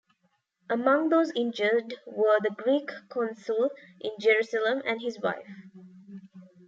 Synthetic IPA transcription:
ʔəmʌ̃ŋðoːzɪ̃nd͡ʒədwəðəɡɹiːkːʰɔ̃nsəlʔɪ̃nd͡ʒɛɹusələ̃mæ̃nhɪzwa̰ɪf

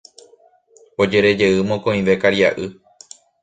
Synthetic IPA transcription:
o̞d͡ʒe̞ɾe̞d͡ʒe̞ɨmõkõĩʋe̞kaɾiaʔɨ

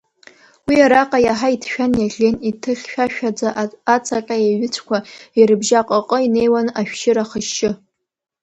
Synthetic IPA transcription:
wiaɾaqʼajaħaitʰʃᶣanjaɮʲenitʰɨχʲʃᶣaʃᶣad͡zaːt͡sʰaqʼajaɥɪt͡sʷʰkʷʰairɨbʒaqʼəqʼəine̞jwanaʃᶣʃɪɾaχəʃɪ

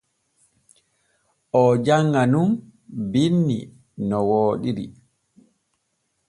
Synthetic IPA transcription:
ʔɔd͡ʒaŋɡanumbinːḭ | nɔwoːɗiɾḭ

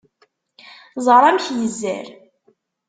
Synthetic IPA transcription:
zˤəɾˤæmçjəzːæ̰ɾ

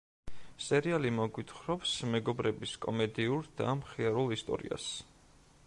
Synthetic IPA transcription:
sɛɾialimɔɡwit̪ʰχɾɔpsmɛɡɔbɾɛbiskʼɔ̰mɛd̪iuɾd̪̥amχiaɾulˠist̪ʼɔ̰ɾḭa̰s

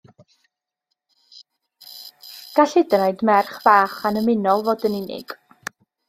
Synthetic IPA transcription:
ɡ̥aɬɪdnajdmɛrχv̥aːχanəmɪnɔlˠvoːdənɪnɪ̰ɡ̥

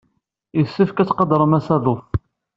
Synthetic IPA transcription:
əsːəfkæt͡sːqɑd̪ɾˤəmæsæðˤʊf

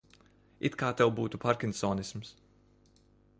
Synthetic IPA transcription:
ḭt̪kaːt̪ɛwbuːt̪upaɾkʲinsɔːnisms

